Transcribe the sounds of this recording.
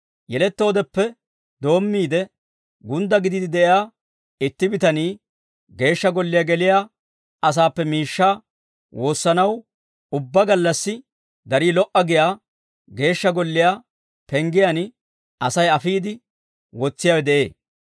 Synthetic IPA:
jɛlɛt̪ːo̞ːd̪ɛpːɛ | d̪o̞ːmːiːd̪ɛ | ɡʊnd̪ɐɡɪd̪ɪd̪ɪd̪ɛʔɪjaː | ɪt̪ːɪbɪt̪ɐniː | ɡe̞ːʃːɐɡɔlːɪjaɡɛlɪjaː | ʔɐs̬aːpːɛmiːʃːaː | wo̞ːsːɐnɐw | ʊbːɐɡɐlːɐsːɪ | d̪ɐɾiːlɔʔɐɡɪjaː | ɡe̞ːʃːɐɡɔlːɪjaː | pɛŋɡɪjan | ɐsɐjɐfiːd̪ɪ | wɔt͡sːɪjaːwɛd̪ɛʔe̞ː

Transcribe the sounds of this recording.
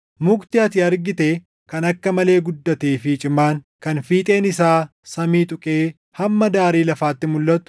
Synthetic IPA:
mʊkt̪ɪɐt̪ɪɐɾɡɪt̪eː | kɐnɐkːɐmɐle̞ːɡʊd̪ːɐt̪eːfɪt͡ʃʼɪmːaːŋ | kɐnfiːt̪ʼe̞ːnɪsaːsɐmiːt̪ʼʊkʼeː | hɐmːɐd̪aːɾiːlɐfaːt̪ːɪmʊlːɐt̪ʊ̥

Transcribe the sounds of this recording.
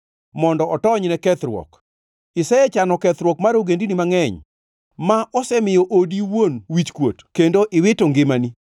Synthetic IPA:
mɔndɔɔtɔɲnɛkɛt̪ɾwɔ̰k | ɪsɛɛt͡ʃanɔkɛt̪ɾwɔkmaɾoɡendinimaŋɛɲ | maʔɔsɛmɪjɔʔodiwonwit͡ʃkwotkendoʔɪwɪtoŋɡɪmani

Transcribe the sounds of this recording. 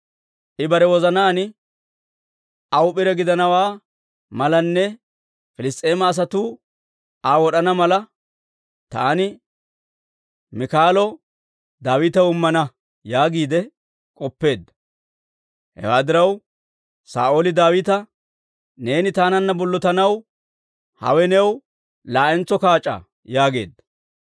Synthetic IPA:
ʔɪbɐɾɛwɔzɐnaːnɪ | ɐwʊpɪɾɛɡɪd̪ɐnɐwaː | mɐlɐnːɛ | fɪlɪs̬t̪ʼe̞ːmɐːs̬ɐt̪uː | aːwɔɗɐnɐmɐlɐ | t̪a̰ːnɪ | mɪkaːlɔ | d̪aːwɪt̪ɐʊmːɐnɐ | jaːɡiːd̪ɛ | kʼɔpːe̞ːd̪ːɐ̥ | hɛ̰waːd̪ɪɾɐw | sa̰ːʔoːlɪd̪aːwɪt̪ɐ | ne̞ːnɪt̪aːnɐnːɐbɔlːɔt̪ɐnɐw | hɐ̰wɛnɛw | laːʔɛnt͡sːɔkaːt͡ʃʼːa̰ | jaːɡe̞̰ːd̪ːɐ̥

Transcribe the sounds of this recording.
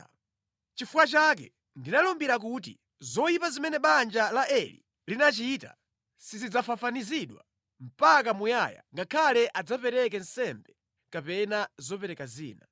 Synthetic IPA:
t͡ʃifuwat͡ʃak̬ɛ | ndinalɔmbiɾak̬utḭ | zɔipazimɛnɛɓand͡ʒalaʔɛlḭ | linat͡ʃita̰ | sizid͡zafafaniziɗwa̰ | m̩pak̬amujaja̰ŋɡakʰalɛʔad͡zapɛɾɛk̬ɛn̩sɛmbɛ | kapɛnazɔpɛɾɛkazḭːna̰

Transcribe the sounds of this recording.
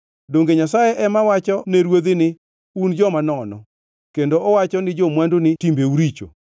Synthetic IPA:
doŋɡeɲasajɛʔɛmawat͡ʃɔneɾwod̪ɪnɪ | und͡ʒɔmanɔnɔ̰ | kendoɔwat͡ʃɔnɪd͡ʒomwandonɪtimbeuɾit͡ʃo̰

